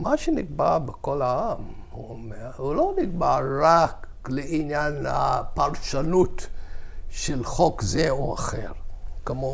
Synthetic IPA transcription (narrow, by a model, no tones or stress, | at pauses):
maʃeniɡbaʁbekolaam | huomeʁhuloniɡ̚baʁʁak | leinjanhapaʁʃanut | ʃelχokzeoa̰χḛʁkemo